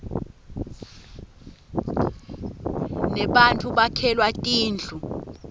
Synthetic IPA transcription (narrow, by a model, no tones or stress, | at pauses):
nɛɓantʰʼuɓakʰɛlwatʼiːnd͡ɮʱu